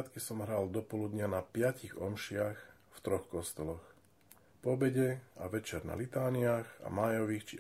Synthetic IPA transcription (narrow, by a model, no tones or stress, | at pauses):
t̪kisɔmɦɾaːld̪ɔpɔlud̪ɲanapɪaciɣɔ̰mʃɪax | ft̪ɾɔxkɔst̪ɔlɔx | pɔbɛɟɛaʋɛt͡ʃɛɾna̰lit̪aːniaxa̰majɔʋiːxt͡ʃi